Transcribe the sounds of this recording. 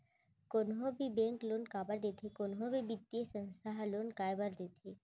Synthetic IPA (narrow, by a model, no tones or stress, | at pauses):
koːnɦõbʱibẽŋkloːnkaːbəɾd̪et̪ʰekoːnɦõbʱibit̪ːjesə̃nsaɦloːnkaːjbəɾd̪eːt̪ʰe